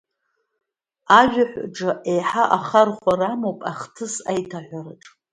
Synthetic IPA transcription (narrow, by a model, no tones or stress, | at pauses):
aʒʷᶣaħʷʈ͡ʂɨʔe̞jħaʔaχarχʷaramowpʼaχtʰɨsajtʰaħʷarɨʈ͡ʂʼ